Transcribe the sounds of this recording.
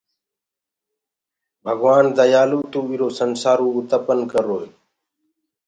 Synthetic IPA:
bʱəɡwaːnd̪ajaːluːt̪uːiɾoːsənsaːɾoːut̪əpənkəɾoːi

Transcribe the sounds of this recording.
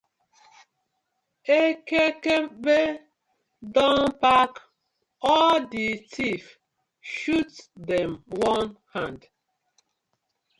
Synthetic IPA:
ekekebe | dɔ̃npak | ɔlditʰif | ʃutdɛ̃mwɔ̃nhãnd

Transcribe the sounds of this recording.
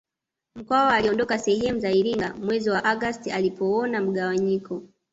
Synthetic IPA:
m̩kwaɔaliɔndɔkasɛhɛmuzaiɾiŋɡamwɛziwaʔaɡastialipɔɔnam̩ɠawaɲikʰɔ

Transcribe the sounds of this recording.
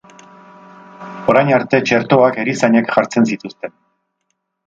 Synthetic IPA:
o̞ɾajnaɾt̪e̞t͡ʃe̞ɾt̪o̞akeɾisaɲekʝaɾt͡se̞nsit̪ust̪e̞n

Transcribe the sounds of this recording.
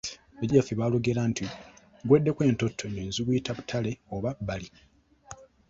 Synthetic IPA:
βaɟafiβaːloɡe̞lantʰi | ɡwedːe̞kwe̞ːnto̞tʰːoneːnziβujitaβutʰale̞oβabali

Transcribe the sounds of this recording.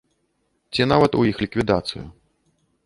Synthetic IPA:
t͡sʲinavɐt̪ujixlʲikvʲid̪at̪sɨ̰jṵ

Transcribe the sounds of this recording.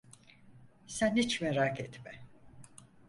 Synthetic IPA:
sænhit͡ʃmɛɾaːkɛt̪mɛ

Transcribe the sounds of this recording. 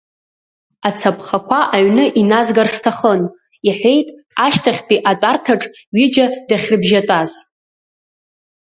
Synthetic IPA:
at͡sʰapʰχakʷʰaʔaɥnɨʔinazɡarstʰaχən | iħʷᶣejtʼ | aʃtʰaχʲpʼiʔatʼartʰaʈ͡ʂʼ | ɥid͡ʒadaχʲrɨbʒatʷʼaz

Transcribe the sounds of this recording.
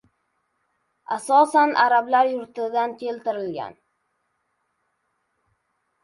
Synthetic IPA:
asɒsanʔaɾablaɾjʊɾt̪ɪd̪ankʲʰe̞lt̪ɪɾɪlɡʲa̰n

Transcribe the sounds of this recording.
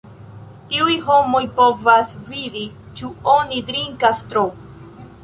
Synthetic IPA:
tiujɦomo̞jpo̞vasvidi | t͡ʃuo̞nidɾiŋkast̪ɾo

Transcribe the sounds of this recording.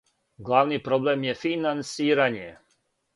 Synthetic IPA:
ɡlˠaːʋnipɾo̞blemjefinansiːɾaɲe

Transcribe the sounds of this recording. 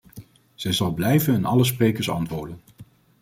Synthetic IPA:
z̥ɛjzɑlˠblɛjvənɪnɑləs̬prejkəɹsɑ̰ntʋʊːɹdən

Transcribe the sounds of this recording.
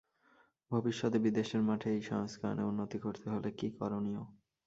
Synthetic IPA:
bʱobiʃːɔd̪ebid̪eʃeɾmaʈʰeejʃɔŋskʰa̰nḛunːot̪ikoɾt̪eɦolekikɔɾonio

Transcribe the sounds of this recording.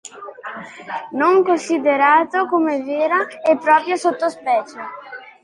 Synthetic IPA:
noŋkonsid̪eɾaːt̪okomeveːɾaepːɾɔːpɾjosot̪ːospɛːt͡ʃe

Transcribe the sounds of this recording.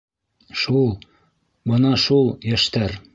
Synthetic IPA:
ʃulˠ | bɤnɑʃulˠjæʃt̪æɾ

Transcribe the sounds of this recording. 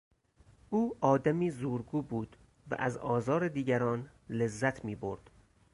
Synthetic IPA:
ʔuːʔɒːd̪æmiːzuːɾɡuːbuːd̪̥ | væ̰ʔæzɒːzɒːɾed̪iːɟæɾɒːnlezːæt̪ʰmiːbo̰ɾd̪̥

